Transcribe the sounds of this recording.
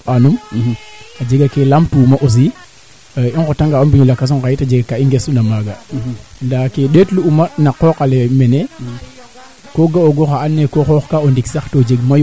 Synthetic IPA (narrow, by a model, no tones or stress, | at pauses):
anum | ad͡ʒeɡakelamtumaʔos̬i | iŋkotaŋɡaombiɲulakas̬unkajitad͡ʒeɡakaiŋɡesundamaɡandakeɗetluumanaqɔkalemɛne | koɡaoɡoxaanːekoxɔxkaondiksaxtod͡ʒeɡmaj